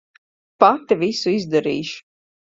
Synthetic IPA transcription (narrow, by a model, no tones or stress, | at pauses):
pat̪ivisuizd̪aɾiːʃu̥